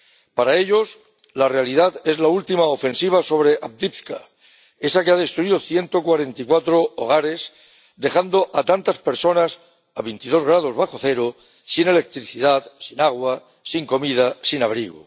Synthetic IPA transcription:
paɾae̞ʎo̞s | lare̞aliðaðe̞zlault̪imaofe̞nsiβ̞aso̞β̞ɾe̞ʔap̚d̪ipθka | e̞sakeaðe̞st̪ɾuiðoθje̞nt̪o̞kwaɾe̞nt̪ikwat̪ɾoo̰ɣ̞aɾe̞s | d̪e̞xand̪o̞ʔat̪ant̪aspe̞ɾso̞nas | aβent̪iðo̞zɣɾað̞o̞zβaxo̞θe̞ɾo | sine̞le̞k̚t̪ɾiθiðaðsinaɣ̞wa | siŋko̞mið̞asinaβ̞ɾiɣ̞o̰

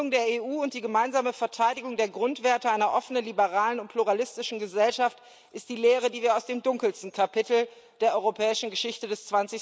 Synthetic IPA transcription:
ʊŋdeːɐeːʔuːʊnt̚d̥iːɡəmaɪnzaːməfɛɐtʰaɪdɪɡʊŋdeːɐɡʁʊntv̥eːɐtəaɪnɐʔɔfənənlibəʁaːlənʊntpʰl̥uʁ̞alɪstɪʃn̩ɡəzɛlʃaft | ʔɪst̚d̥iːleːʁ̞ədiːviːɐaʊsd̥eːmdʊŋkl̩stn̩kʰapɪtl̩ | d̥eːɐʔɔʏʁopʰɛːɪʃn̩ɡəʃɪçtədɛst͡sv̥ant͡sɪ

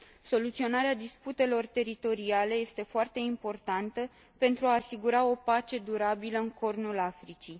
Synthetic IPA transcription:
so̞lut̪sio̞naɾead̪isput̪e̞lo̞rt̪e̞ɾit̪o̞ɾiale̞je̞st̪e̞foart̪e̞impo̞rt̪ant̪ə | pe̞nt̪ɾuaːsiɡuɾao̞pat͡ʃe̞d̪uɾabiləɨŋkʰo̞rnulafɾit͡ʃij

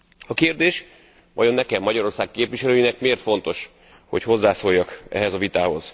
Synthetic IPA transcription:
ɒkeːrd̪eːʃ | ʋɒjo̞nːɛkɛmːɒɟɒɾo̞rsaːkkeːpʋiʃɛløːjinɛkmeːrt̪fo̞n̪t̪o̞ʃ | ho̞cho̞zːaːsoːjːɒkɛ̰ɦɛzɒvit̪aːho̞z̥

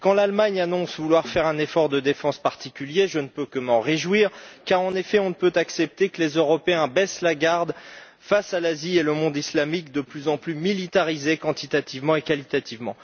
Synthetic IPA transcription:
kɑ̃lalmaɲanɔ̃svulwaʁfɛʁɛ̃nefɔʁd̪əd̪efɑ̃spaʁt̪ikʲyljeʒənəpøkəmɑ̃ʁeʒwiʁkaʁɑ̃nefɛɔ̃nəpøt̪aksɛp̚t̪ekəlezøʁɔpeɛ̃bɛslaɡaʁd̪ | fasalazieləmɔ̃d̪islamikd̪əplyzɑ̃plymilit̪aʁizekɑ̃t̪it̪at̪ivmɑ̃ekalit̪at̪ivmɑ̃

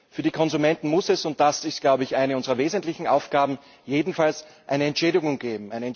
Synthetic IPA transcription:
fyːɐdiːkʰɔnzumɛntn̩mʊsɛsʊnt̚d̥asɪstɡ̥laʊbəɪçʔaɪnəʊnzəʁɐveːzəntlɪçn̩ʔa̰ʊfɡ̥aːbm̩ | jeːdn̩fals | ʔaɪnəɛntʃeːɾɪɡʊŋɡeːbm̩aɪnəɛn

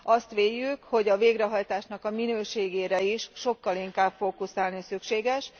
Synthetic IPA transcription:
ɒst̪ʋeːjːykho̞ɟɒveːɡrɛɦɒjt̪aːʃnɒkɒminøːʃeːɡeːɾɛiʃʃo̞kːɒliŋkaːbfokusaːlnisykʃeːɡɛʃ

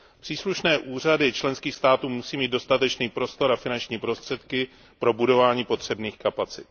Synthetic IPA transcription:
pr̥iːsluʃnɛːʔuːr̝adɪt͡ʃlɛnskiːxst̪aːt̪uːmusiːmiːd̪̚do̞st̪at̪ɛt͡ʃniːpɾo̞st̪o̞ɾafɪnant͡ʃɲiːpɾo̞st̪r̥ɛt̪kɪ | pɾo̞budo̞vaːɲiːpo̞t̪r̝̥ɛbniːxkapat͡sɪt̪̚

